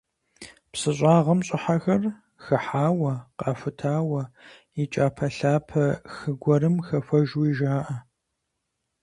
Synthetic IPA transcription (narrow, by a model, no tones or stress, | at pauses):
psɨɕʷʼaːʁɐmɕʼɪħaxɐr | xɨħaːwɐqɑːfʊtʰaːwɐ | it͡ʃʼaːpʰɐɬaːpʰɐxɨɡʷɐɾɨmxɐfɐʒwiʒaːʔɐ